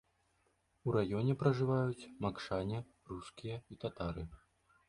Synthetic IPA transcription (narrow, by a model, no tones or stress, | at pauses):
uɾajɔnʲɛpɾɐʐɨvajut͡sʲmakʂanʲɛ | ruskʲijɐit̪at̪aɾɨ